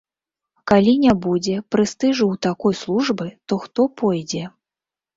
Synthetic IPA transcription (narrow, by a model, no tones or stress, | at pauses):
kalʲinʲabud͡zʲɛpɾɨst̪ɨʐɨwt̪akɔjslˠuʐbɨt̪ɔxt̪ɔpʰɔjd͡zʲɛ